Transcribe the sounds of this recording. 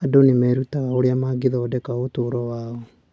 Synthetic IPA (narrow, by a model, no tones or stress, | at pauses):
adonimɛɾutaɣaoɾeamaːɡiðɔːdɛkaotoːɾɔwaːɔ